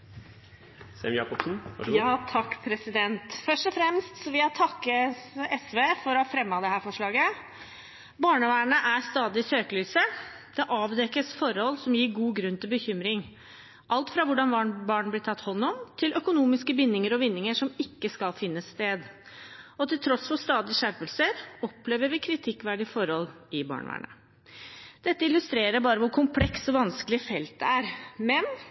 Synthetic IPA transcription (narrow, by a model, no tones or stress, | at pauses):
sɛ̰mjɑ̰ːkɔpsn̩jɑːt̪ʰɑkːpʰɾɛsɪd̪ɛnt̪fœʂʈɔfɾɛmst̪sɔʋɪhɑt̪ʰɑkːəɛsʋeːfɔɾɔhɑfɾɛmːɑd̪ɛɦæːɾfɔʂɭɑːɡə | bɑːɳəʋæːɳəʔæɾst̪ɑːd̪ɪsøːkəlyːsə | d̪̥ɛʔɑːʋd̪ɛkəsfɔɾhɔlːsɔmjiːɾɡuːɡɾʉnːt̪ʰɪlbəçʏmɾɪŋ | ʔɑlt̪fɾɑʋʊɖɑnʋɑːɳbɑːɳblɪt̪ʰɑt̪ːhɔnːɔmt̪ʰɪlʔœkʊnuːmɪskəʋɪnːɪŋəɾɔʋɪnːɪŋəʂɔmɪkːəskɑlfɪnːəsːt̪eːd̪ | ɔt̪ʰɪlt̪ʰɾɔsfɔst̪ɑːd̪ɪəʂæɾpəlsəɾɔpleːʋəɾʋɪkʰɾɪt̪ʰɪkːʋæɖɪfɔɾhɔl | ɪbɑ̰ːɳʋæ̰ːɳə̰ | d̪̥ɛt̪ːəɪlʉst̪ɾeːɾəɾbɑːɾəʋʊɾkʰʊmpʰlɛksɔʋɑnskəlɪəfɛlt̪̚d̪ɛæɾmɛn